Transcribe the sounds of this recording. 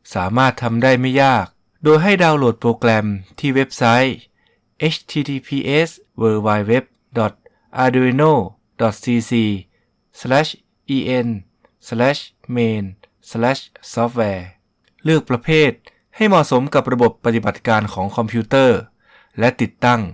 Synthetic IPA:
saː˩˦maː˥˩t̪ʰːa˧mdaː˥˩jma˥˩jːaː˥˩k̚ | doː˧jɦa˥˩jdaː˧wlo˨˩t̪̚pɾoː˧klɛ˧mt̪ʰiː˥˩we˦˥p̚sa˦˥j | ʔe˦˥t͡ɕʰt̪ʰiː˧t̪ʰiː˧pʰiː˧ʔe˦˥s | wɤː˧waː˧jwe˦˥p̚ | dɔ˨˩t̪̚ | ʔaː˧du˧i˧noː˥˩ | dɔ˨˩t̪̚siː˧siː˧ | slɛː˦˥˩ɕ | ʔiː˧ʔe˧n | slɛː˦˥˩ɕ | meː˧n | slɛː˦˥ssɔː˦˥p̚wɛː˧ | lɯ˥˩ək̚pɾa˧pʰeː˥˩t̪̚ | ha˥˩jmɔ˨˩so˩˦mka˨˩p̚ɾa˧bo˨˩pːa˧t̪i˨˩ba˨˩t̪̚kaː˧nkʰɔː˩˦ŋkʰɔ˧mpʰjuː˦˥t̪ɤː˥˩ | lɛ˦˥t̪i˨˩t̪ːa˥˩ŋ

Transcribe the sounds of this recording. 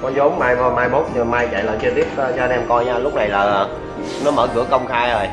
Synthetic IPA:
kɔ˨˦zo˨˦ŋ͡mmaː˧jmɔː˧maː˧jmo˦˥t̚ɲɨ˨˩maː˧jt͡ɕa̰˧˨ləː˨˩jt͡ɕə˧t̪i˦˥əp̚ːt͡ɕɔ˧ə˧nʔɛ˧mkɔ˧jɲaː˧lʊ˦˥k͡p̚na˨˩jlaː˨˩˨ | nɔ˨˦məː˧˩kɨ̰˧˩əkə˧wŋ͡mxaː˧jə˨˩j

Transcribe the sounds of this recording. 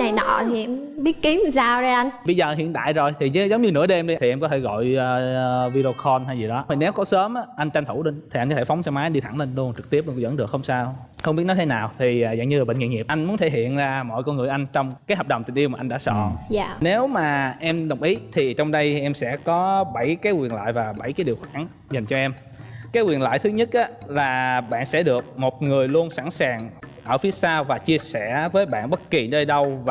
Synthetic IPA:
na˨˩nɔ̰˧˩t̪ʰi˨˩ʔɛ˧mɓi˦˥ət̚ki˨˦m˨saː˧wzaː˧ʔa˧nɓə˧jzəː˨˩ɦḭ˧˨ənt̪a̰ː˧˨jzo˨˩jt̪ʰi˨˩˨zə˨˦wŋ͡mɲɨ˧nɨ̰˧˥əɗe˧mɗi˧t̪ʰi˨˩ʔɛ˧mkɔ˨˦t̪ʰe˧˩ɣɔ̰˧˨jə˨vi˧ɗo˧xʰɔ˧nt̪a˧jzi˨˩ɗɔ˨˦i˨˩ne˨˦wkɔ˨˦səː˨˦mʔaː˨˧˦ʔa˧jŋ̟t͡ɕa˧n̟t̪ʰu˧˩ɗi˧ŋt̪ʰi˨˩ʔa˧nkɔ˨˦t̪ʰfa˨˦wŋ͡msaː˧wmaː˨˦jɗi˧a˧˩ŋle˧nlu˧ənt͡ɕɨ˨˩k̚t̪i˦˥əp̚ɗkzə̰˧˥nɗɨ˨˩əkxə˧wŋ͡msaː˧w | xə˧wŋ͡mɓi˦˥ət̚nɔ˨˦jt̪ʰe˦naː˨˩wt̪ʰi˨˩˨za̰˧˨ŋɲɨ˧laː˨˩ə̰˧˨ŋḭ˧˨ŋi˨˩p̚ʔa˧jŋ̟mu˨˦ənt̪ʰe˧˩ɦḭ˧˨ənzaː˧mɔ̰˧˨jkɔ˧nŋɨ˨˩əjʔa˧jŋ̟t͡ɕɔ˧wŋ͡mkaː˨˦jɦɔ˨˩ɗə˨˩wŋ͡mt̪ï˨˩ŋ̟ʔwmaː˨˩ʔa˧ŋɗa̰ː˧˥sɔ̰˧˨ne˨˦wmaː˨˩ʔɛ˧mɗə˨˩wŋ͡mʔi˨˦t̪ʰi˨˩t͡ɕɔ˧wŋ͡mɗə˧jʔɛ˧msɛ̰˧˥kɔ˨˦ɓə˧˩jkaː˨˦jkwi˨˩ənla̰ː˧˨jvaː˨˩ɓə˧˩jkaː˨˦jɗi˨˩əwxwaː˧˩n | za˨˩jŋ̟t͡ɕɔ˧ʔɛ˧m | kaː˨˦jkwi˨˩ənla̰ː˧˨jt̪ʰɨ˨˦ɲə˦˥t̚ʔaː˨˦laː˨˩ɓa̰ː˧˨nsɛ̰˧˥ɗɨ˨˩ək̚mo˨˩t̚ŋɨ˨˩əjlu˧ənsa˧˩ŋsaː˨˩ŋʔəː˧˩fi˨˦əsaː˧wvaː˨˩t͡ɕi˧əsɛ˧˩vəː˨˦jɓa̰ː˧˨nɓə˦˥t̚ki˨˩nəː˧jɗə˧wv

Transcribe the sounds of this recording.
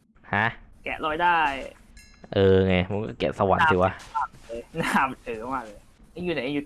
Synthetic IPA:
ha˦˥ʔkɛ̰˨˩ʔlɔː˧jdaː˥˩j | ʔɤː˧˩ŋa˧jma˧˦nkɔ̰ː˧˥˩kḛ˨˩p̚sa˧wa̰˨˩˦nːtʰiː˧˩waː˦˧˥a˧˩mː˧jna˧˩mt̪ʰɯː˨˩˦maː˧˩lɤː˧˩j | ʔa˧˦juː˧˩na˨˩˦juː˧˩

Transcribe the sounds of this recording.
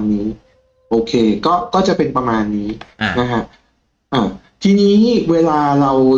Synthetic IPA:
nːiː˦˥ | ʔoː˧kʰeː˧kɔː˥˩kɔː˥˩t͡ɕa˨ʔpe˧npɾa˧maː˧nːiː˦˥na˦˥kʰa˦˥ʔ | ʔaː˨˩ | t̪ʰiː˧niː˦˥weː˧laː˧ɾa˧w

